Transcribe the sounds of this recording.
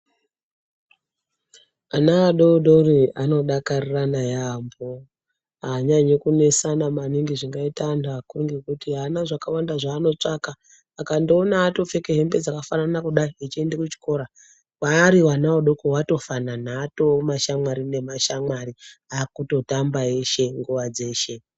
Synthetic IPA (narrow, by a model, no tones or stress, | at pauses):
anaːɗodo̞riano̞ɗakariranajaambo | ɦaɲaɲekune̞sanamaniŋɡiʐiŋɡaitanakuruŋɡekutiɦanaʐakawandaʐaːno̞t͡ʂakaː | kandoːnaːto̞fe̞keɦe̞mbe̞d͡zakafananakuɗaiit͡ʃie̞ndekut͡ʃi̥ko̞ɾa | waːɾiwanawoɗo̞kowato̞fananaːto̞maʃamwaɾine̞maʃamaɾiakuto̞tambae̞ʃe̞ŋɡuʋad͡ze̞ːʃe̞